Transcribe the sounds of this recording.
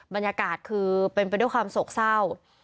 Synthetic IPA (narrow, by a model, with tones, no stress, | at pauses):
ba˧njaː˧kaː˨˩t̪̚kʰɯː˧pae˧npa˧jdu˥˩jkwaː˧mso˨˩k̚sa˥˩w